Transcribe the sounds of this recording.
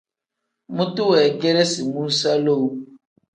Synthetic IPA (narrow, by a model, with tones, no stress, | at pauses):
mũ˦tu˦wɛ˨ɡɛ˦ɾɛ˦si˨mũ˦sa˦lo˦˨w